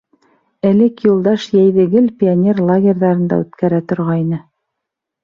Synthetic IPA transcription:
ælɘkjulˠd̪ɑʃjæjðɘ̆ɡɘlpʲionʲerlˠaɡʲerʲðɑɾɤ̆nd̪ɑ̰ʉt̪kæɾæt̪ŏɾʁɑjnɤ

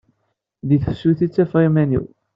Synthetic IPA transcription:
ðiθəfsuθit͡sːæfʁimænḭw

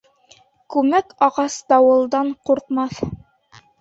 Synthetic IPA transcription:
kʉmækɑʁɑsd̪ɑwɤ̆lˠd̪ɑɴquɾqmɑθ

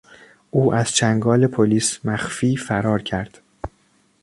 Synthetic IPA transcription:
ʔuːʔæz̥t͡ʃʰæŋɡɒːle̞pʰoliːsmæxfiːfæɾɒːɾcʰæɾd̪̥

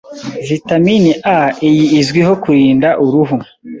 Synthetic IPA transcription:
vitaminiʔaijiːzɡwihokuɾiːndaʔuɾuɦu

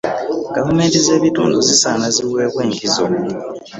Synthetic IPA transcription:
ɡ̥avume̞ːntize̞ːβitṵːnduzisaːnaziwe̞ːβwe̞ːŋkizo̰

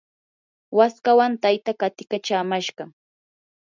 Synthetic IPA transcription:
waskawant̪ajt̪akat̪ɪkat͡ʃaːmaʃɢɑ

